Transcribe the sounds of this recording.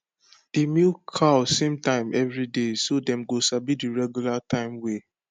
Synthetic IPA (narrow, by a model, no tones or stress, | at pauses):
d̥imikʰaʊsːẽmtãɪ̃mɛvɹidesodɛ̃mɡosabidiɹɛɡjulatʰãɪ̃mwe